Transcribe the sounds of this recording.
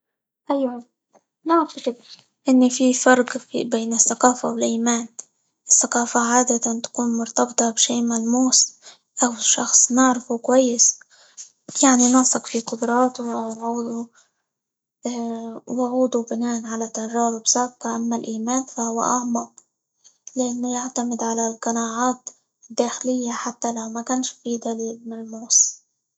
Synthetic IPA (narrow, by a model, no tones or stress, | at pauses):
ʔajwa | naʕfɪk | ʔɪnːififɑɾˤqbeːnɪθːaqɑːfawɪlʔiːmaːn | ʔɪθːaqɑːfaʕaːd̪at̪ant̪ḁkuːnmʊɾt̪ɑbt̪ˤɑbʃeːʔmalmuːs | ʔawʃɑ̰xsˤnɪʕɾɪfukwajːɪs | jaʕninɑsˤɑqfiqʊd̪ɾˤɑːt̪uʔawʕuːd̪u | wʕuːd̪ubɪnaːʔnʕalat̪ːaʒɑːɾˤubsaʕbqɑʔamːalʔiːmaːnfahʊwːa̰ʔaʕmɑq̚ | lɪʔanːʊjaʕt̪amɪd̪ʕalalqɑnaːʕaːt̪ | d̪ːaːxɪlɪjːaħat̪ːalawmakʊnʃfiːd̪aliːlmalmuːs